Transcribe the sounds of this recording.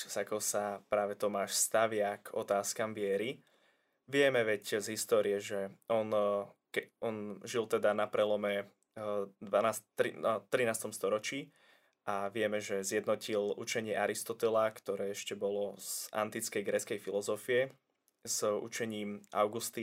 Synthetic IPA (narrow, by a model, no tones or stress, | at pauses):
sakɔsapɾaːʋɛt̪ɔmaːʃst̪aʋɪakɔt̪aːskamʋɪɛɾi | ʋɪɛmɛʋɛczɦist̪ɔːɾiɛʒɛɔnkɛɔnʒilt̪ɛd̪anapɾɛlɔmɛ | d̪ʋanasɾit̪ɾinaːst̪ɔmst̪ɔɾɔt͡ʃiː | ʔaʋɪɛmɛʒɛzjɛd̪nɔcilʔut͡ʃɛɲɪɛʔaɾist̪ɔt̪ɛlakt̪ɔɾɛːɛʃcɛbɔlɔz̥a̰nt̪it͡skɛjɡɾɛt͡skɛjfilɔzɔfijɛ | zṵt͡ʃɛɲiːmʔa̰ʊɡust̪i